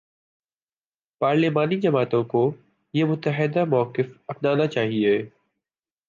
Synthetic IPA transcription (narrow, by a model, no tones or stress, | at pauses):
paːɾlɪːmaːnid͡ʒɐmaːt̪õko | jemʊt̪əɦɪd̪amɔːkɪfɐfd̪aːnat͡ʃaːɦieː